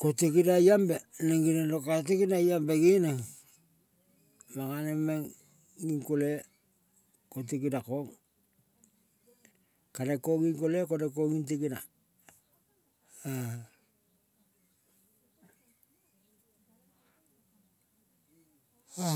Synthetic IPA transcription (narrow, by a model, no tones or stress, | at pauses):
kotikidajambeniŋɡinalokatikidajambeɡineŋ | maŋanemeŋ | ɡiŋkole | kotikidakoŋ | kaɾekoɡiŋkolekodek̬oɡint̬ikida̰ | a